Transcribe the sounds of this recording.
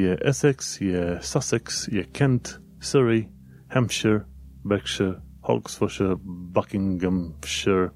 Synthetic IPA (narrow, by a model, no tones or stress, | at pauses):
jəʔɛsɛksjəsasɪksjəkʰɛnt | sɪɹi | hɛmʃəɹ | bɛkʃəhɔ̰ksfʊʃəbakɪŋɡəmʃəɹ